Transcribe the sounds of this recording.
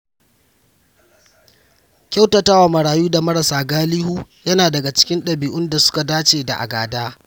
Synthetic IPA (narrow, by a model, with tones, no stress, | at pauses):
kʲa˦wtɐ˨ta˦wa˨mɐ˨ɽaː˨juː˦da˨mɐ˦ɽɐ˨saː˨ɡaː˦liː˦huː˦jɐ˦naː˨dɐ˨ɡa˨t͡ʃɪ̥˦kʲɪ˦nɗɐ˨biː˨ʔʊ˦nda˨sʊ̥˦ka˨daː˦t͡ʃeː˨da̰˨ʔa̰˨ɡaː˨daː˦